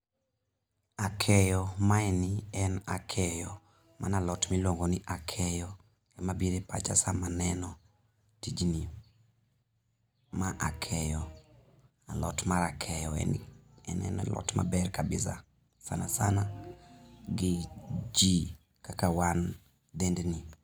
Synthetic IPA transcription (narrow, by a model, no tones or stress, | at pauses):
akʰɛjɔmaɛniɛnakʰɛjɔ | mʔanalɔtmilwoŋɡɔniʔakʰɛjɔ | ɛmabiɾepa̰t͡ʃa̰samanɛnɔ | tid͡ʒni | maʔakʰɛjɔ | alɔ̰tmaɾakʰɛjɔɛ̰nḭ | ɛ̰nɛ̰nɛ̰lɔ̰tma̰bɛrkabɪsa̰ | sana̰sana | ɡɪd͡ʒi | kakawan | d̪ɛndni